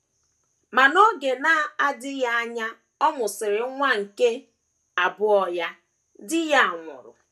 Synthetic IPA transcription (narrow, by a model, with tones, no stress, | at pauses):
ma˨no˦ɡe˨na˦a˦dɪ˦ja˦a˦ɲa˦ | ɔ˦mʊ˨sɪ˨ɾɪ˨˦ŋʷa˦ŋ̩˨ke˦ | a˨bʊ˦ɔ˦ja˦ | dɪ˦ja˦a˨ŋʷʊ̰˨ɾʊ̰˨